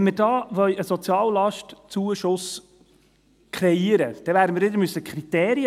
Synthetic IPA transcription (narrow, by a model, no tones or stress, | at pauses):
nmɪɾd̥ɑːʋœləsɔt͡sjɑːllɑʃtt͡suəʃʊs | kɾɛiəɾəd̥ɛvæːɾdəmɪːɾɪd̪əɾmysːəkχɾit̪eːɾiə